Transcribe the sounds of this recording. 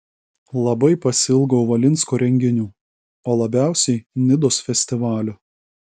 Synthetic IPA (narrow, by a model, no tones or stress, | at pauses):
lˠɐbɐɪpɐsʲɪlˠɡɐʊʋɐlʲɪnʲˑskoːɾʲɛŋʲɡʲɪnʲuː | oːlˠɐbʲæˑʊsʲɛɪnʲɪd̪oːsfʲɛsʲt̪ʲɪʋɑːlʲʊ